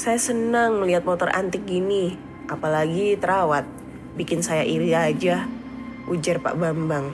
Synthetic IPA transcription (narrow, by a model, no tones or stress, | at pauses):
sajasənaŋliat̪̚mɔt̪ɔrʔa̰nt̪ɪk̚ɡini | apalaɡit̪əɾawat̪̚ | bikɪnsajaʔiɾiad͡ʒa | ud͡ʒarpa̰ʔbambaŋ